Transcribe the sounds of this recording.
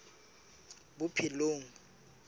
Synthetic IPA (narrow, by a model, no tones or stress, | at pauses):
bʊpʰiloːŋ̩